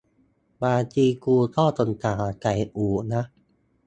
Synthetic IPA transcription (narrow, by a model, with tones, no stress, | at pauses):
baː˧t͡ɕiː˧kuː˧t̪ʰɔː˥˩t̪o˧˩nt̪ʰaː˨˩˦ka˨˩jʔuː˩˦na˦˥